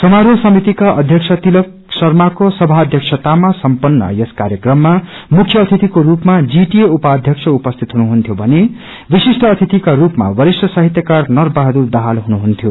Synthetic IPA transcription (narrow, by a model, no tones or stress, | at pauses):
sʌmaɾuosʌmit̪ikaʔʌd̪ʱjʌksʰʌt̪ilʌk | sʌrmakosʌbʱaʌd̪ʱjʌksʰʌt̪amasʌmpʌnːʌ̰jʌskaɾjʌkrʌmːa | mukʰjʌːt̪ʰit̪ikoɾupmad͡ziʈieupaːd̪ʱjʌksʰʌupʌst̪ʰit̪ɦunuɦunt̪ʰjobʱʌne | bisisʈʰʌːt̪ʰit̪ikarupma̰wʌɾisʌsʌɦit̪jʌkarnʌrbaɦd̪urd̪aɦalɦunuɦunt̪ʰjo